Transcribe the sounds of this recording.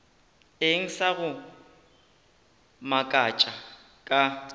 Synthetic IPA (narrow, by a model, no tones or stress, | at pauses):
eŋ̩saɣʊ | makʼat͡ʃʼa | kʼa